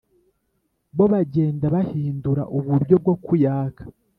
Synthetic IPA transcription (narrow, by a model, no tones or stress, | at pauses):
βo̞βaɟe̞ːndaβahiːnduɾa̰ʔuβuɾɟo̞b̚ɡo̞kujaːkʰḁ